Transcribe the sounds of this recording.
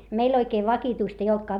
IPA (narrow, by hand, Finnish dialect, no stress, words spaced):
meil oikeː ʋɑkituist ei oltkɑː